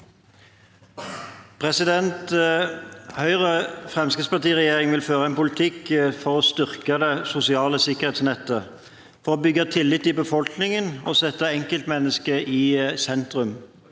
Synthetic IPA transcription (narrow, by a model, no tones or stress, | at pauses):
pʰʁɛsɪd̪ɛnt̪ | hœʏʁəfʁɛmskəspɑʈ̪iːʁɛjeːʁɪŋʋɪlføːʁəɛnpʊlɪt̪ʰɪkfɔʁoːst̪ʏʁkəd̪ɛsʊsɪɑːləsɪkːəʁheːt̪snɛt̪ːə | fɔʁoːbʏɡət̪ʰɪlːɪt̪ːɪbəfɔlknɪŋəno̰ːsɛt̪ːəɛŋkəlt̪mɛnːəskəʔiːsɛnt̪ʁʉm